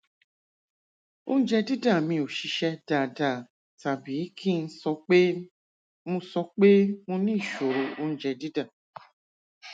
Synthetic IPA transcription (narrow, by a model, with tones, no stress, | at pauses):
o˦˧nũ˦d͡ʒɛ˧di˦da˦˨mĩ˧o˨ʃi˧ʃɛ˦da˦˨da˦˨ | ta˨bi˨˦kʰi˦˨n̩˦sɔ˧˦k͡pe˦ | mũ˧sɔ˧˦k͡pe˦mũ˧nĩ˦˨ʃo˨ɾo˨˦o˧ñ̩˦d͡ʒɛ˧di˦da˦˨